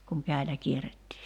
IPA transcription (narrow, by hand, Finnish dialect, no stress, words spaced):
kuŋ kæˑi̞læ kieretːiː